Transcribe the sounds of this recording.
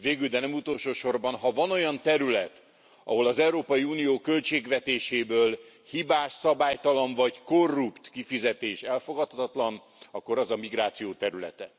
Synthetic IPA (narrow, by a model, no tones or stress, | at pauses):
veːɡyld̪ɛnɛmut̪o̞lʃoːʃo̞rbɒnɦɒvɒno̞jɒnt̪ɛɾylɛt̪ | ʔɒ̰ɦo̞lɒzɛuɾoːpɒjiuːnijoːkølt͡ʃeːɡʋɛt̪eːʃeːbøːl | hibaːʃsɒbaːjt̪ɒloɱvɒɟko̞rːupt̪kifizɛt̪eːʃɛlfo̞ɡɒt̪hɒt̪ɒt̪lɒn | ɒkːo̞ɾɒzɒmiɡɾaːt̪sijoːt̪ɛɾylɛ̰t̪ɛ